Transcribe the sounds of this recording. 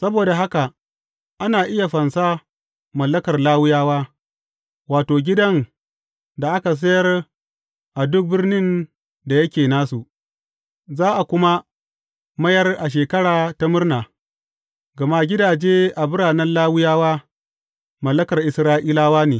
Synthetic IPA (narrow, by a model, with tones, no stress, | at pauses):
sɐ˦boː˨da˨ɦa˦ka˨ | ʔa˦naː˨ʔɪ˦ja˨ɸɐ˨nsa˦ | mɐ˨lːɐ˦kɐ˨rlaː˦wʊ˦jaː˦waː˦ | waː˨toː˨ɡʲɪ˦dɐ˦ŋ | da˨ʔa˦ka˨s̬ɐ˦jɐ˦r | ʔa˨dʊ˦k̚bɪ˦rnɪ˦n | da˨jɐ˦kʲeː˨naː˦su˨ʔ | zaː˦ʔa˨kʷʊ˦ma˦ | mɐ˦jɐ˦rʔa˨ʃ̬eː˨kɐ˦ɽaː˨ta˦mʊ˦rnaː˨ | ɡɐ˨ma˦ɡʲɪ˦daː˨d͡ʒeː˦ʔa˨bʊ˦ɽaː˨nɛ˦nlaː˦wʊ˦jaː˦waː˦ | mɐ˨lːɐ˦kɐ˨rʔɪ˨sɾaː˦ʔiː˦laː˦waː˦neː˨